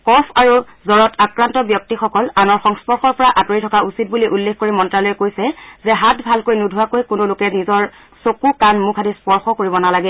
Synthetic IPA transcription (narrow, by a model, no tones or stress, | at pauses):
kɔpʰaɹu | zɔɹɔtʰakɹantɔbjɔk̚tixɔkɔlanɔɹxɔŋspɔɹxɔɹpɔɹaʔatoɹitʰɔkausit̚buliʔulːexkoɹimɔntɹalɔjɛkojsɛzɛɦatʰbʱalkojnudʱuwakojkʊnolʊkɛnizɔɹ | sokukanmukʰadispɔɹxɔkoɹibɔnalaɡɛ